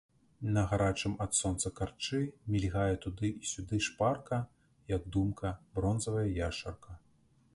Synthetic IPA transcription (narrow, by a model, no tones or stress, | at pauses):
nɐɣaɾat͡ʂɨmɐt̪sɔnt̪sɐkart͡ʂɨmʲilʲɣajɛt̪ud̪ɨʔisʲud̪ɨʂparkɐ | jɐɡ̚d̪umkʰɐbɾɔnzɐvɐjɐjaʂɐrkɐ